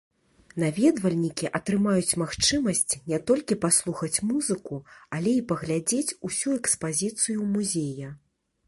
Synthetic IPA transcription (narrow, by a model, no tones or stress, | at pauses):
navʲɛd̪vɐlʲnʲikʲiʔɐt̪ɾɨmajut͡sʲmaxt͡ʂɨmɐsʲt͡sʲnʲɛt̪ɔlʲkʲipaslˠuxɐt͡sʲmuzɨkualʲɛipɐɣlʲad͡zʲet͡sʲusʲuɛkspazʲit̪sɨjumuzʲejɐ